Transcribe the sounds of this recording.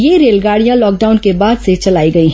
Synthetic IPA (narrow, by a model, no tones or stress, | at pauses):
jeɾeːlɡaːɽijãlɔːk̚ɖaːʊnkebaːd̪set͡ʃɐlaːiɡɐiɦ